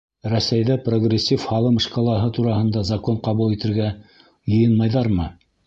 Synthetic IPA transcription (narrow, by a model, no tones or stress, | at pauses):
ɾæsæjðæproɡrʲesʲːifhɑlˠɤmɤ̆ʃkɑlˠɑɦɤt̪uɾɑhɤ̆nd̪ɑzɑkoɴqɑβulˠit̪ɘ̆ɾɡæ | jɤ̆jɤnmɑjðɑɾmɤ